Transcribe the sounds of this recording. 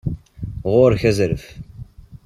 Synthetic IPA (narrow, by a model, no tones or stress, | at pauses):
ʁʊɾçæzɾəf